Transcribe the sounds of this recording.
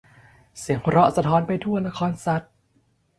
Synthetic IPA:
si˨˩˦əŋkʰɾɔ˦˥sa˧t̪ʰɔː˦˥npa˧jt̪ʰu˥˩ɐna˧˥kʰɔː˧nsa˨˥t̪̚

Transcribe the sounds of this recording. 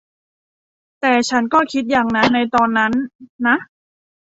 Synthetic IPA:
t̪ɛː˨˩t͡ɕʰa˦˥nkɔː˥˩kʰi˦˥t̪̚jaː˨˩ŋna˦˥na˧jt̪ɔː˧nːa˦˥nːa˦˥ʔ

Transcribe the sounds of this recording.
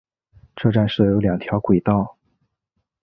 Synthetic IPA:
ʈ͡ʂɤ˥˧ʈ͡ʂa˥˧nʂɤ˥˩jo˧˥ʊljɑ˨˩ŋt̪ʰjɑ˧˥ʊkwe˨˩ɪt̪ɑ˥˩ʊ

